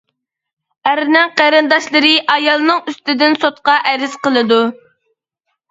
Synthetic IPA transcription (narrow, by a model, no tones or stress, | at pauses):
æɾnɛqæɾɨnd̪ɑʃlˠɨɾɨʔɑjɑlˠnɨŋyst̪ɪd̪ɪnsot̪̚qɑʔɛɾɪz̥qəlˠɨd̪u